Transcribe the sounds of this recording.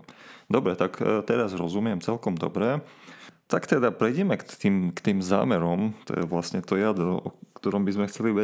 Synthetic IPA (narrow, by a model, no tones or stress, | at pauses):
d̪ɔbɾɛt̪akt̪ɛɾazɾɔzumɪɛmt͡sɛlkɔmd̪ɔ̰bɾɛ | t̪akt̪ɛd̪apɾɛjɟɛmɛk̪iːmkt̪iːmza̰ːmɛɾɔmt̪ɔ̰jɛ̰ʋlasɲɛt̪ɔjad̪ɾɔʔɔkt̪ɔɾɔmbizmɛxt͡sɛliʋɛ